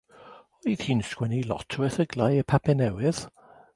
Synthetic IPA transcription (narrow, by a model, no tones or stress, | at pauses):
ɔɾið̥hiːnskwɛnilˠɔ̰tʰwəθəɡlˠajəpʰapʰɛnɛwɪð̥